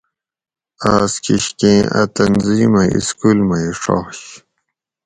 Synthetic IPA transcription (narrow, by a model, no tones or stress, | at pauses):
aːskiɕkẽːʔɐ̰t̪ɐnziːmɐjḭskulmɐiʂo̰ːɕ